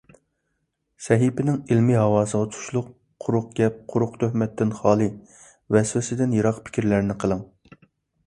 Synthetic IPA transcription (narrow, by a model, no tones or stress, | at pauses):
sɛɦipɪnɪŋilmiɦɑwɑːsəʁɑt̪ʰu̥ʃlˠʊqʰː | ʊɾʊq̚ɡʲɛp̚qʰʊɾʊqt̪ʰøhmɛt̪ːɪnχɑːlˠɨ | vɛswɪsɪd̪ɪnjiɾɑqpʰkʲʰiɾlæɾnɪqʰəlˠɨŋ